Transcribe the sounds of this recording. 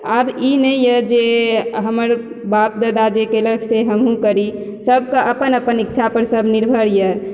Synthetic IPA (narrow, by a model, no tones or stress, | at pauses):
abinɛjəd͡ʒeɦəməɾ | bap̚d̪əd̪ad͡ʒekeləɡseɦəmɦũkəɾi | səb̚kaʔəpənəpənikːt͡ʃʰapəɾsəbniɾbʱəɾjə